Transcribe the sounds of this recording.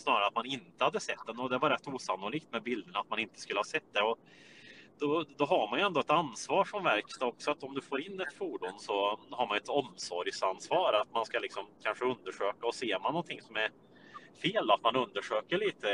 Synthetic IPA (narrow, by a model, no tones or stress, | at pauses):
snɑːɾaɾat̪manɪnt̪əhad̪ːəsɛt̪ːd̪ɛnɔd̪ɛvaɾɛt̪ːuːsanːʊliːkt̪mɛbɪld̪əɳaat̪manɪnt̪ə̥skɵlːəhɑːsɛt̪̚ːd̪ɛɔ | d̪̥ɔd̪ɔɦaɾmanjɵɛnd̪ɔɛt̪ansvɑːɾʂɔmvæɾkst̪ɔksɔat̪ɔmd̪ɵfoːɾɪnːɛt̪fuːɖuːnsɔhaɾmanɛt̪ɔmsɔɾjsansvɑːɾat̪manskalɪksɔmkʰanʂəɵnd̪əʂøːkaɔseːɾmanːɔnt̪ʰɪŋsɔmæɾ | feːlat̪manɵnd̪əʂøːkəɭiːt̪ʰə